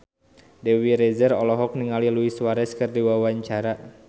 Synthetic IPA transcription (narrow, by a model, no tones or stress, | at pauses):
dɛwiɾɛzərɔlɔɦɔk̚niŋaliluiswaɾɛskɨrdiwawaɲt͡ʃaɾa